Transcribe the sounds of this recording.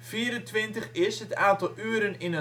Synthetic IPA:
fiːəɾəntʋɪntəχɪsɦətaːntɔlˠyəɾənɪnə

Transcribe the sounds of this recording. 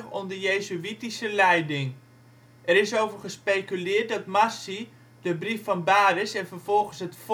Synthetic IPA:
ɔmdəjeːzyitisəlɛjdɪŋ | ʔɛɾɪsowvəχəspejkylɪːt̚dɑtmasi | dəbrifɑnbaːɾɪsɛnvərv̥ɔlˠɣənsɦətf

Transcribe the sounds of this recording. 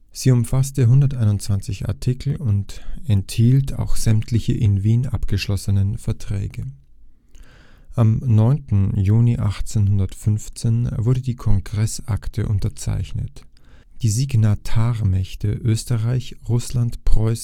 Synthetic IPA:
z̥iːʊmfastəɦʊndɐtʔaɪnʊnt͡sv̥ant͡sɪça̰ɐtʰɪkl̩ʊntɛnthiːltʰa̰ʊxz̥ɛmtʰlɪçəʔɪnviːnʔa̰pɡ̥əʃlɔsənənfɛɐtʁ̥ɛ̰ːɡə | ʔamnɔʏntn̩juːniʔaχt͡seːnhʊndɐtfʏnft͡seːnvʊɐdədiːkʰɔŋɡʁɛsʔaktʰə̰ʔʊntɐt͡sa̰ɪçnət | d̥iːziɡnatʰaːʁmɛçtəʔøːstəʁaɪçʁʊslantpʁ̥ɔʏs

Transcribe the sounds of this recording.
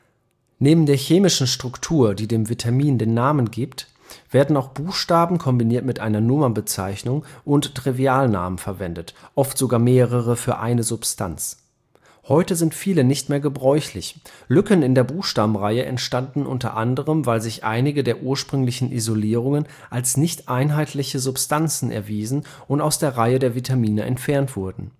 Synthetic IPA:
neːbm̩deːɐçeːmɪʃn̩ʃtʁ̥ʊktʰuːɐdiːdeːmvitʰamiːndeːnːaːmənɡiːpt | v̥eːɐdn̩aʊxb̥uːxʃtaːbm̩kʰɔmbiniːɐtmɪtʔaɪnɐnʊmɐnbət͡sa̰ɪçnʊŋʔʊnttʁ̥iviaːlna̰ːmənfɛɐvɛndətʔɔftz̥oɡaːɐmeːʁ̞əʁ̞əfyːɐʔa̰ɪnəzʊpstʰa̰nt͡s | hɔʏtəzɪntfiːlənɪçtmeːɐɡəbʁɔʏçlɪçlʏkənɪndeːɐbuːxʃtaːbm̩ʁaɪəʔɛ̰ntʃtandn̩ʔʊ̰ntɐ̰ʔandəʁ̞əmvaɪlzɪçʔa̰ɪnɪɡədeːɐʔuːɐʃpʁ̥ʏŋlɪçn̩ʔḭzoliːʁ̞ʊŋən | ʔalsnɪçtʔaɪnɦaɪtʰlɪçəzʊpstʰant͡sn̩ʔɛ̰ɐviːzn̩ | ʔʊntaʊsd̥eːɐʁaɪədeːɐvitʰamiːnəʔɛ̰ntfɛɐntv̥ʊɐdn̩

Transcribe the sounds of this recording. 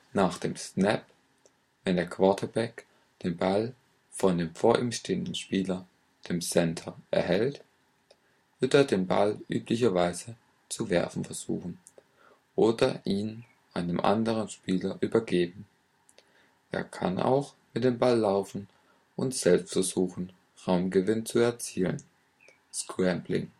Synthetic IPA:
naːxd̥eːmsnɛp | vɛndeːɐkv̥aɐtʰɐbɛk | d̥eːnbal | fɔndeːmfoːɐʔiːmʃteːəndn̩ʃpiːlɐ | d̥eːmsɛntʰɐʔɛ̰ɐhɛlt | v̥ɪɐteːɐdeːnba̰lʔy̰ːplɪçɐvaɪzə | t͡suvɛ̰ɐfn̩fɛɐz̥ṵːxn̩ | ʔoːdɐʔiːn | ʔaɪnəmʔa̰ndəʁənʃpiːlɐʔyːbɐɡeːbm̩ | ʔḛːɐkʰa̰nʔa̰ʊxmɪt̚d̥eːmbalːaʊfn̩ | ʔʊntz̥ɛlpstfɛɐzuːxn̩ | ʁaʊmɡəvɪnt͡suɛɐt͡siːlə̰n | skʁɛmblɪ̰ŋ

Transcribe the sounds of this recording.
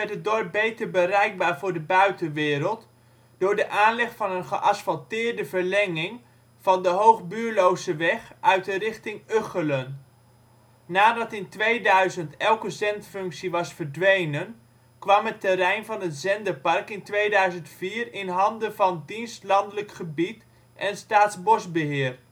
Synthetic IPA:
mɛtət̚dɔɹp̚bejtəɹbərɛjɡ̚baːɹvʊːɹdəbœɥtənʋɪːɾəlˠt | d̥ʊːɹdəʔaːnlɛχfɑnənχəʔɑsfɑlˠtɪːɹdəvəɹlɛŋɪŋ | v̥ɑndəɦowχbyːɹlowzəʋɛχʔœɥtərɪχtɪŋøχələn | naːdɑtɪntʋejdœɥzəntɛlˠkəzɛntfɵŋksiʋɑsfəɹdʋejnən | kʋɑmətɛɾɛjnvɑnɦətz̥ɛndəɹpɑrkɪntʋejdœɥzəntfiːrɪnɦɑndəvɑndinstlɑndələkχəbit | ʔɛnstaːtzbɔsbəɦɪːr

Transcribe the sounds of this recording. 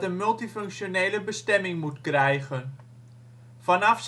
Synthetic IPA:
tənmɵlˠtifɵŋkʃonejləbəstɛmɪŋmutkrɛjχən | vɑnɑfs

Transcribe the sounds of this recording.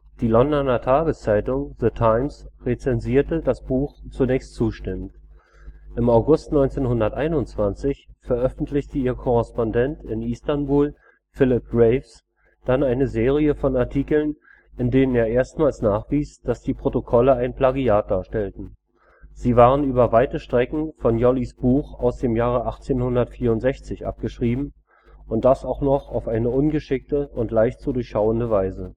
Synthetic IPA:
d̥iːlɔndɔnɐtʰaːɡəst͡saɪtʊŋðətʰaɪmsʁet͡sɛnziːɐtədasb̥uːxt͡sunɛːçstt͡suːʃtɪmənt | ʔɪmaʊɡʊstnɔʏnt͡seːnhɦʊndɐtʔaɪnʊnt͡sv̥ant͡sɪçfɛɐʔœfn̩tʰlɪçtəiːɐkʰɔʁɛspɔndɛntɪnistanbuːl | fɪlɪp̚ɡ̥ʁɛɪfs | d̥anaɪnəzeːʁ̞iəfɔnaɐtʰiːkl̩n | ʔɪndeːnəneːɐʔeːɐstmaːlsnaːχv̥iːsd̥asd̥iːpʁ̥otokʰɔləaɪnpl̥aɡiaːt̚d̥aːɐʃtɛltn̩ | z̥iːvaːʁənʔyːbɐvaɪtəʃtʁ̥ɛkŋ̩fɔnjɔlisb̥uːxaʊsd̥eːmjaːʁəʔaχt͡seːnhʊndɐtfiːɐʊntz̥ɛçt͡sɪçʔa̰p̚ɡ̥əʃʁ̥iːbm̩ | ʊnt̚d̥asaʊxnɔχaʊfʔaɪnəʔʊnɡəʃɪk̚təʔʊntlaɪçtz̥udʊɐçʃaʊəndəvaɪzə

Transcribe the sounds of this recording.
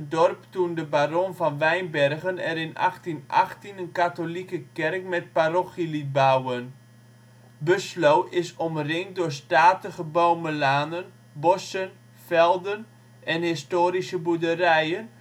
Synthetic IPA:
dɔrptundəbaronfɔnʋɛjnbɛrɣənɛɾɪnʔa̰xtinʔa̰χtinənkatolikəkɛrkmɛt̚paroxilibawən | bøslowʔɪsɔmrɪŋdʊːstaːtəɣəbowməlaːnən | bɔsən | fɛlˠdən | ʔɛnhɪstoːɾisəbudərɛjən

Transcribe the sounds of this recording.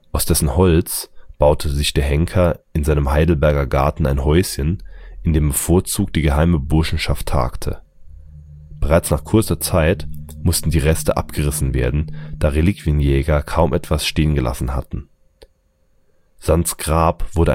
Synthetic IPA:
ʔaʊsd̥ɛsn̩hɔlt͡sb̥aʊtʰəzɪçd̥eːɐɦɛŋkʰɐɪnzaɪnəmɦaɪdl̩bɛɐɡɐɡa̰ɐtn̩a̰ɪnɦɔʏsçənʔɪndeːmbəfoːɐt͡suːk̚td̥iːɡəɦaɪməbʊɐʃn̩ʃaftʰːa̰ːktʰə̰ | b̥əʁaɪt͡snaːχkʰʊɐt͡sɐt͡saɪtmʊstn̩diːʁɛstəʔa̰pɡ̥əʁɪsn̩vḛːɐdn̩d̥aːʁelikvijənjɛːɡɐkʰaʊmʔɛtv̥asʃteːənɡəlʔa̰sn̩ha̰tn̩ | z̥ant͡sɡ̥ʁaːpv̥ʊɐdɾə

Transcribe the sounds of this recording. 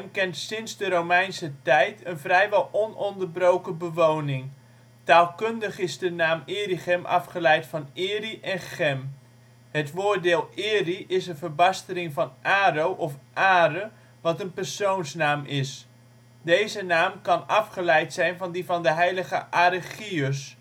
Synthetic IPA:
ɛmkɛntsɪnzdəɾowmɛjnsətɛjtʰənvrɛjʋɛlˠɔnɔndərbrowkəbəʋownɪŋ | taːlˠkɵndəχɪzdənaːmɪːriχɛmʔɑ̰fχəlɛjtfɑnɪːriʔɛnχɛm | ɦətʋʊːɹdɪːlˠɪːriʔɪsənvərbɑstəlɪŋvɑnʔaːrowʔɔfʔaːɾə | ʋɑtənpərsownsnaːmɪs | dejzənaːmkɑnɑfχəlɛjtsɛjnvɑndivɑndəɦɛjləχəʔaɾəχiøs

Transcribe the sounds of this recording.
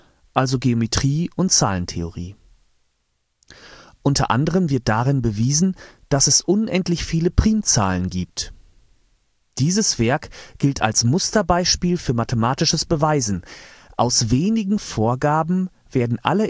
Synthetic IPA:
ʔalzoɡeometʁ̥iːʔʊntt͡saːləntʰḛoʁḭː | ʔʊntʰɐ̰ʔa̰ndəʁ̞əmvɪɐt̚d̥aʁɪnbəviːzn̩d̥asɛsʔʊnʔɛntlɪçfiːləpʁ̥iːmt͡sa̰ːlənɡiːp̚t | d̥iːzəsv̥ɛɐkɡ̥ɪltʰa̰lsmʊstɐbaɪʃpiːlfyːɐmatəmaːtɪʃəsb̥əvaɪzn̩ʔa̰ʊsveːnɪɡŋ̩foːɐɡaːbm̩ | v̥eːɐdn̩ʔa̰lə

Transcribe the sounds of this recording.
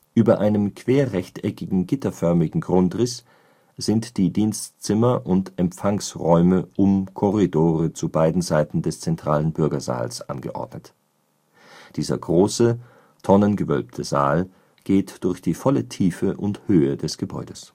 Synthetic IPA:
ʔyːbɐʔaɪnəmkʰv̥eːɐʁɛçtɛkɪɡŋ̩ɡɪtɐfœɐmɪɡŋ̩ɡʁʊntʁɪs | z̥ɪntd̥iːdiːnstt͡sɪmɐʔʊntɛmfaŋsʁɔʏməʔʊmkʰɔʁidoːʁət͡subaɪdn̩zaɪtn̩dɛst͡sɛntʁ̥aːlənbʏɐɡɐza̰ːlsʔa̰nɡə̰ʔɔ̰ɐdnət | d̥iːzɐ̰ɡʁoːsə | tʰɔnənɡəvœ̰lp̚tʰəza̰ːl | ɡ̥eːtd̥ʊɐçd̥iːfɔlətʰiːfəʔʊnthøːədɛsɡ̥əbɔ̰ʏdəs

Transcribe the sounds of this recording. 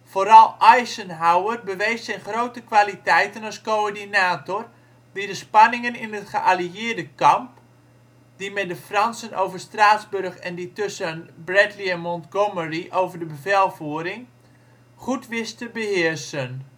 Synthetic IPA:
foːɾɑlˠʔajsənɦawərbəʋejssɛjnχrowtəkʋalitɛjtənaskoːrdinaːtɔr | didəspɑnɪŋənɪnətχəʔaliɪərdəkɑmp | dimɛdəfrɑnsəno̰wvərstraːtzbørχɛnditøsənbrɛtliɛnmɔntɡoməriʔowvərdəbəvɛlˠfuəɾɪŋ | χutʋɪstəbəhɪərsən

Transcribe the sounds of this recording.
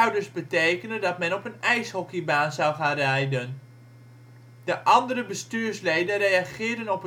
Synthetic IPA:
wdərsbətejkənəndɑtmɛnɔpənɛjshɔkibaːnzawχaːnrɛjdən | dəʔɑndərəbəstyːrslejdərejaχɪːdənɔpə

